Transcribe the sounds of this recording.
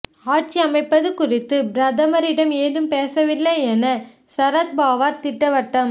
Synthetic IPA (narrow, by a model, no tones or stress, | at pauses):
aːʈ̚t͡ʃiɐmɐɪpːɐðɯkʊrɪt̪ːɯbɾɐd̪ɐmɐɾɪɽɐmeːðɯmpeːsɐʋɪlːɐɛnɐ | sɐɾɐt̪̚baːʋaːɾt̪ɪʈːɐʋɐʈːɐm